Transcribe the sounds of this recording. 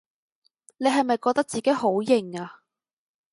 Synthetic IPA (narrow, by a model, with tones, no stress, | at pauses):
ne˨˧jɦɐ˨jmɐ˨jkɔː˧k̚t̪ɐ˥k̚t͡siː˨ke˨˥jho˨˥wjɪ˨˩ŋaː˧